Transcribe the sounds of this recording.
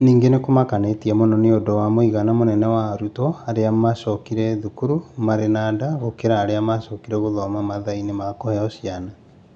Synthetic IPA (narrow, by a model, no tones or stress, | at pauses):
niːŋɡenekomakanetiɛmonɔneodɔwamoiɣanamonɛnɛwaɾutɔaɾeamasɔkiɾɛðukuɾumaɾenadaɣokeɾaːɾeamasɔkiɾɛɣoðɔmamaðainemakɔhɛɔsiana